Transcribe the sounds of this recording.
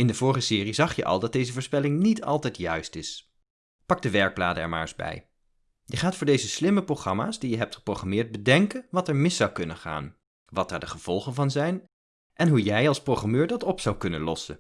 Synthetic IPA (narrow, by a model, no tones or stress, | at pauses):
ɪndəvʊːɹχəsɪːrizɑχjə̰ʔɑ̰lˠdɑt̚dejzəvʊːɹspɛlɪŋnitʰɑ̰lˠtɛjtjœɥstɪs | pɑɡ̚dəʋɛɹɡ̚blaːdəɛ̰ɹma̰ːɹzbɛ̰j | jəχaːtfʊːɹdejzəslɪməproχrɑma̰ːsdijəɦɛp̚tχə̥prowχamɪːɹtd̚bədɛŋkənʋɑtɛɹmɪsɑwkɵnənχa̰ːn | ʋɑt̚d̥aːɹdəχəv̥ɔlˠχənvɑnzɛjn | ʔɛnɦujɛjɑlˠsprowχramøːɹdɑtɔpsɑwkɵnə̰nlɔsə̰